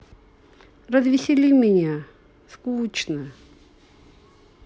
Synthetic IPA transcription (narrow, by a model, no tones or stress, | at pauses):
rɐzvʲɪsʲɪlʲimʲɪnʲa | skut͡ɕnə